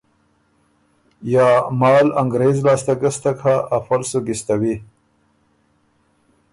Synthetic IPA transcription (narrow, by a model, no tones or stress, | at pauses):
jɑːmɑːlaŋɡɾezlɑːst̪aɡəst̪akʰaːfalsuɡist̪awi